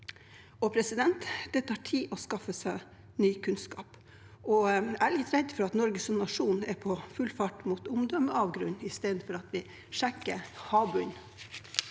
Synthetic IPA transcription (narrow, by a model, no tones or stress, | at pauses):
ɔpʰɾɛsɪd̪ɛnt̪d̪̥ɛt̪ʰɑːʈʰiːʔɔskɑfəsæɪ | nyːkʰʉnskɑ̰ːp | ɔæɾlɪt̪ɾɛd̪fɔɾɑt̪nɔɾɡəsɔmnɑʂuːnɛpʰɔfʉlfɑʈmuːt̪ʊmd̪ɔməɑːʋɡɾʉnːɪst̪eːd̪n̩fɔɾɑt̪ʋɪ | ʂɛkːəɾhɑːbʉn